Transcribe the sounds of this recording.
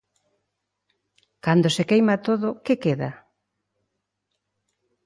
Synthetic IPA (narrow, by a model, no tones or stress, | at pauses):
kand̪osekejmat̪oðʊkekeða̰